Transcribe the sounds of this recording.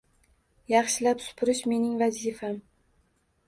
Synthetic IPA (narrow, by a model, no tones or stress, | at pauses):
jɑχʃɪlapsʊ̥pʰʊɾɪʃme̞nɪŋvazifam